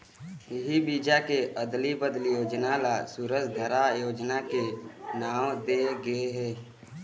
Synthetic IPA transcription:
ɪɦibiːd͡ʒakeʔəd̪libəd̪ljoːd͡ʒnalasuːɾəd͡ʒd̪ʱəɾajoːd͡ʒnakenaːwd̪eːɡəeɦɛː

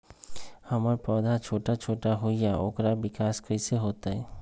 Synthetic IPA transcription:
hɐməɾpɔːd̪ʱat͡ʃʰoːʈat͡ʃʰoːʈaɦoijaʔo̰ːkɾabɪkaːskəiseɦoːt̪aɦɛː

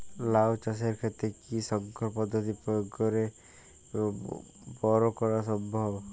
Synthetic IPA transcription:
lawt͡ʃas̬eɾkʰet̪ekisɔŋkʰɔɾpɔd̪ʱːɔt̪ipɔjoɡːɔɾe | bɔɾɔkɔɾasɔbɔɦ

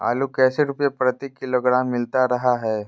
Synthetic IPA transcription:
a̰ːlukɛːseɾʊpjepɾət̪ikːɪloɡɾaːmːɪlt̪aɾɐɦaɦɛː

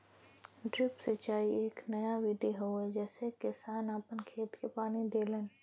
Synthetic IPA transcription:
ɖɾɪpset͡ʃaːieːknɐjaʋɪd̪iɦoɛd͡ʒɛːsekɪsaːnaːpənkʰeːt̪kepaːnid̪eːlən

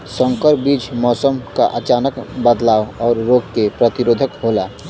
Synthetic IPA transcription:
sə̃ŋkəɾbiːd͡ʒmɔːsəmka̰ʔət͡ʃaːnəkbəd̪laːwɔːɾːoːɡ̚kepɾət̪iɾoːd̪ʱəkɦoːlaː

